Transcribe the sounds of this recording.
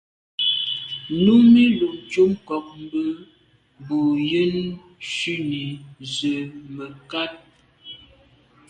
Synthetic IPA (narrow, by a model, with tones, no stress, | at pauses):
nu˦me˦lu˨d͡ʒo˦mkɔ˨k̚m˨˦bə˦ | bu˨jə˦n | ʃʉ˦ni˨zə˨mə˨ka˦t̚